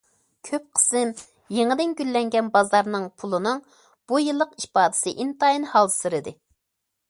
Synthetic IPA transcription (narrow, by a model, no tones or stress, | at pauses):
kʲʰøp̚qʰə̥sɨn | jeŋɨd̪ɪnɡʲylːɛŋɡʲɛnbɑzɑɾnɨŋpʰulˠɨnɨŋ | b̥ujɨlˠːəqiʃpɑːd̪ɨ̥sɨʔint̪ɑinhɑlˠsɨɾɨd̪ɨ